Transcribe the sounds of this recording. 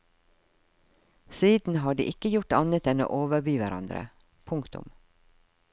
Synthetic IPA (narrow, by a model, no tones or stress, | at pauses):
siːd̪n̩ɦɑːɖḭːʔɪkəjʊʈɑnət̪ɛno̰ːʔoːʋəbyːʋæɾʔɑ̰nd̪ɾə̰ | pʰʊŋkt̪ʊ̰m